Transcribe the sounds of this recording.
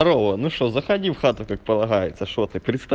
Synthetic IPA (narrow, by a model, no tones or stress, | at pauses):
ɾɔʋɐnuʃt͡ʃɔzɐxɐdʲiwxɑt̪ʊkak̚pɐlˠɐɦɑjet͡sʲːɐʃɔt̪ɪpɾʲɪt̪st̪ɐ